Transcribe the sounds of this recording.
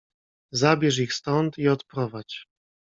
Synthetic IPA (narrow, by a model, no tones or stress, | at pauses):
zabʲjɛʂ̬ixst̪ɔnt̪iɔt̪pɾɔvat͡ɕ